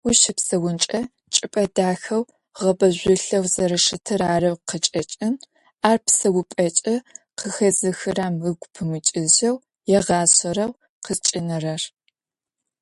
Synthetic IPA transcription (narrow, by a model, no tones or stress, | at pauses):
ʊʃɪpsɐwʊnt͡ʃʼɐ | t͡ʃʼɪpʼɐdaːxɐw | ʁɐbɐʑʷʊɬɐwzɐɾɐʂɨtʰɨɾaːrɐwqət͡ʃʼɐt͡ʃʼɪn | aːrpsɐwʊpʼɐt͡ʃʼɐqʰəxɐzɨxɨraːmɨɡʷpʰɨmʷʊt͡ʃʼɪʑɐw | jɛʁɑːɕɐɾɐw | qʰət͡ʃʼɪnɨrɐr